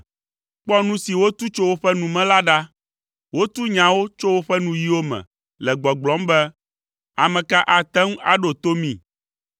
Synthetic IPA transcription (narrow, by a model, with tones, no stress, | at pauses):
k͡pɔ˦nũ˦si˨wo˦t̪u˦t͡ʃo˦wo˦ɸɛ˦nũ˨mɛ̃˦la˦ɖa˦ | wo˦t̪u˦ɲã˨wo˦t͡ʃo˦wo˦ɸɛ˦nũ˨ji˦wo˦mɛ̰̃˨ | lɛ˨ɡ͡bɔ˨ɡ͡blɔ̃˨˦mbɛ˦ | a˨mɛ̃˨ka˦ʔa˨t̪ɛ̃˦ŋ˦a̰˨ɖo˨t̪o˦mĩ˦˨